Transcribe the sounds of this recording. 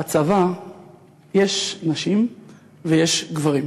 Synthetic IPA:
at͡sava | jeʃnaʃim | vejeʃɡvaʁim

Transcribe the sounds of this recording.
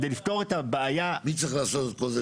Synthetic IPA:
d̪elift̪o̞ʁetabeːjamit͡ssaχlaːsokoze

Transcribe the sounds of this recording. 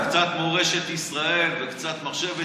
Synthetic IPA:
kt͡sat̪moʁeʃet̪isʁae̞lvekt͡sat̪maχʃeve

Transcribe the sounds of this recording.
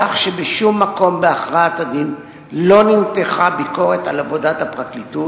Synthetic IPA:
aχʃebeʃumːako̞mbeaχʁaatadin | lo̞nimteχabiko̞ʁe̞talavo̞dathapʁaklitu

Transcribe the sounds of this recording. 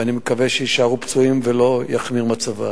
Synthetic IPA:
animekaveʃeiʃaʁupt͡suimvelo̞jaχmiʁmat͡sava̰

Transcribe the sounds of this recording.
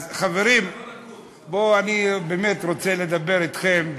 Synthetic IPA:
χaveɾim | boanibeme̞t̪ʁo̞t͡sele̞d̪abe̞ɾit̪χe̞m

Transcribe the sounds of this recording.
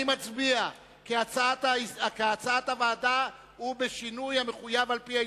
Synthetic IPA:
imat͡sbia | keat͡saat̪aakat͡saat̪havaːda | hubeʃinujhame̞χujavalpia

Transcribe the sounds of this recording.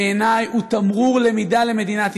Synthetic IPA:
enajut̪amʁuʁlemid̪ale̞me̞d̪inat̪

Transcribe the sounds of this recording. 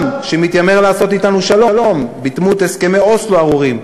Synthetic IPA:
mʃemit̪jameʁlaːso̞t̪it̪anuʃalolo̞mbit̪mut̪eske̞meo̞sloaʁuʁim

